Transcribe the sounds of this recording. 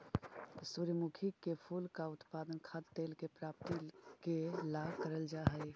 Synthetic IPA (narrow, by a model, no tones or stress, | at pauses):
suɾmukʰikepʰuːlkaʊt̪paːd̪ənkʰad̪t̪eːlkepɾaːp̚t̪ikelakəɾəld͡ʒaɦəi